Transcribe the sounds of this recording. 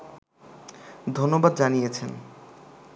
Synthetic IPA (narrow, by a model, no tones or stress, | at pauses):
d̪ʱonːobad̪d͡ʑanijet͡ɕʰen